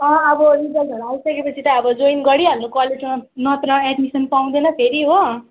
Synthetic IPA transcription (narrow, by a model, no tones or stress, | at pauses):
ʌ̃ʌbʌɾid͡zʌldʱʌɾuajisʌkepʌt͡sʰit̪ʌːbʌd͡zojnɡʌɽiɦʌnːokwaleʈimanʌt̪rʌeʈmisʌnpaw̃d̪enʌpʰeɾiɦo